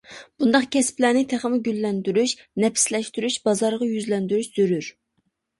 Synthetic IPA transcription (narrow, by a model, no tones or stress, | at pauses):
b̥und̪ɑqkʲʰɛsplænɪt̪ʰæχəmɪɡʲylːɛnd̪yɾyʃ | nɛpɪ̥slɛʃt̪yɾyʃbɑzɑɾʁɑjyzlɛnd̪yɾyʃz̥øɾyɾ